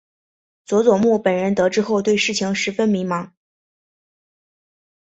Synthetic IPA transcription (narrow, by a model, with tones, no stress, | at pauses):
t͡swɔ˧˥t͡swɔ˨˩mu˥˩pə˨˩nɻə˧˥nt̪ɤ˧˥ʈ͡ʂɻ̩˥xo˥˧ʊt̪we˥˧ɪʂɻ̩˥˩t͡ɕʰi˧˥ŋʂɻ̩˧˥fə˥nmi˧˥ŋmɑ˧˥˦ŋ